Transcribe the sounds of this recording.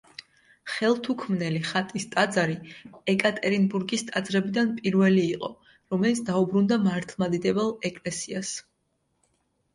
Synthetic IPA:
χɛlˠt̪ʰukʰmnɛliχat̪ʼist̪ʼad̪zaɾiɛkʼat̪ʼɛɾinbuɾɡist̪ʼad̪zɾɛbid̪anpʼiɾvɛliːqʼɔ | ɾɔmɛlit̪sd̪aubɾund̪amaɾt̪ʰlˠmad̪id̪ɛbɛlˠɛkʼlɛsias

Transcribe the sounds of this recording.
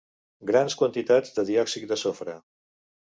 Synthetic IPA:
ɡɾanskwənt̪it̪ad͡zd̪əðiɔksik̚d̪əsofɾə

